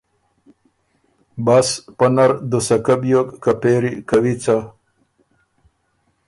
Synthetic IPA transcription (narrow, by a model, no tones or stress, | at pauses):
baspɐnɐɾd̪osɐkɐbjokkɐpeːɾikɐwit͡sa